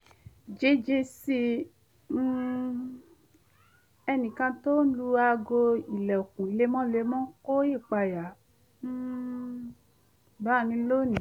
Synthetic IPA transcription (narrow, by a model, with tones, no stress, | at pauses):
d͡ʒe˧˦d͡ʒe˧si˧˦ | ɛ˧nĩ˨kã˧to˦n̩˦lu˧a˧ɡo˧i˨lɛ˨o˨kũ˨le˧˦mɔ̃˦le˧˦mɔ̃˦ko˦je˦˨k͡pa˧ja˨˦ | ba˦˨nĩ˧˦lo˦˨nĩ˨